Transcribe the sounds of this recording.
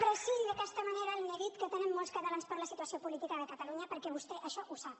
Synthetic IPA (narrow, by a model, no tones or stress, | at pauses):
pɾəsiʒiðəkɛst̪əməneɾəːlˠmeðit̪kət̪ənɛmːɔlˠskət̪əlanspəɾləsit̪uəsiopulit̪ikəðəkət̪əluɲəpəɾkɛβust̪ɛʔəʃɔʔusap